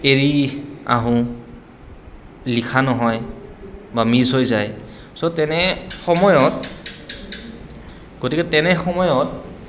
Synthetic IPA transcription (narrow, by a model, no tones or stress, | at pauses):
eɹia̰ɦʊ̃ | likʰanɔɦɔj | bamizɦojzaj | sɔtɛnɛxɔmɔjɔt̚ | ɡ̥otikɛtɛnɛxɔmɔjɔt̚